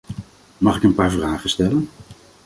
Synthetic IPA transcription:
mɑχɪkənpaːɹvraːχənstɛlən

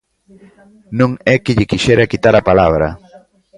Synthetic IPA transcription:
nõŋekɪʎɪkiʃeɾakit̪aɾapalaβɾa̰

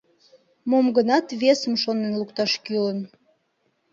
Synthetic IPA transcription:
momɡənɑt̪βesəmʃonenlukt̪ɑʃkylən

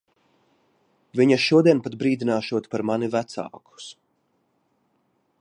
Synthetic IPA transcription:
viɲaʃuɔd̪iɛnpad̪̚bɾiːd̪inaːʃuɔt̪paɾmanivæt̪sa̰ːku̥s

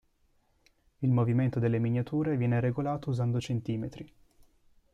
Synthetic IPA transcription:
ilmoviment̪od̪elːemiɲːat̪uːɾevjɛːneɾeɡolaːt̪ouzand̪ot͡ʃent̪iːmet̪ɾi

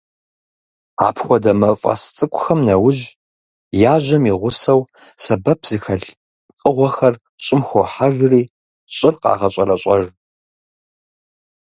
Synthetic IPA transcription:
a̰ːpʰxʷɔdɐmɐfʼɐ̰st͡sʼɨkʷʼʊxɐmnɐwʊʑ | jaːʒʷɐmiʁʷʊsɐwsɐbɐpʰz̥ɨxɐɬ | qʼəʁʷɔxɐr | ɕʼɪmxʷoħaʒriː | ɕʼɪrqɑ̰ːʁɐɕʼɐrɐɕʼɐr

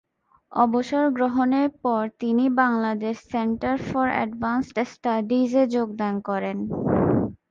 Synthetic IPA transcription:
ɔboʃoɾɡɾoɦoneɾpɔɾt̪inibaŋlad̪eʃseɳʈaɾfɔɾɛ̰ɖbansʈsʈaɖid͡ʑed͡ʑoɡ̚d̪ankɔɾen

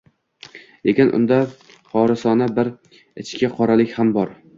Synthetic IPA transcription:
lekʲɪnʔʊ̰nd̪a | χʰɒɾasɒnabɪɾ | ɪt͡ʃkʲɪqʰɒɾalɪkʲhambɒɾ

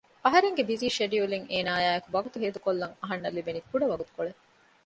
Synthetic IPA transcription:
ɐɦɐɾeŋɡebiziːʃeɖijuliŋʔeːnaːjaːekuʋɐɡut̪uɦeːd̪ukolːɐŋɐɦɐnːɐlːibenikuɖɐʋɐɡut̪u̥koɭe

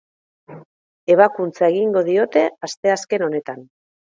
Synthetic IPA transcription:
e̞β̞akunt͡sae̞ɣiŋɡo̞ð̞io̞t̪e̞ast̪e̞aske̞no̞ne̞t̪an

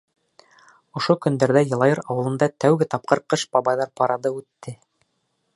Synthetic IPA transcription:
ŏʃokɵ̆nd̪æɾðæjɤ̆lˠɑjɤɾɑwɤ̆lˠɤ̆nd̪ɑt̪æwɡɘt̪ɑp̚qɤɾqɤʃbɑbɑjðɑɾpɑɾɑðɤʉt̪ːɘ

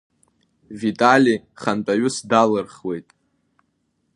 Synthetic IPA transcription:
vitʼalʲiχantʼaɥʊsdalɨrχwe̞jtʼ

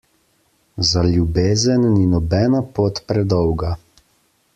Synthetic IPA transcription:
zaljubeːzənːinɔbɛːnapoːt̪pɾɛd̪ɔwɡa

